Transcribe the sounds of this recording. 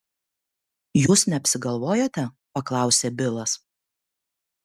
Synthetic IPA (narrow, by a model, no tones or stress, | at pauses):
juːsnʲɛɐpʲsʲɪɡɐlˠʋoːjoːt̪ʲɛ | pɐklˠɑˑʊsʲeːbʲɪlˠɐs